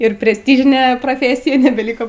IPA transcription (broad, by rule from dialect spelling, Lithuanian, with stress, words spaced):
ɪr pʲrʲɛsʲˈtʲiːʒʲɪnʲɛ proːˈfʲeːsʲɪjɛ nʲɛbʲɛlʲˈiːkoː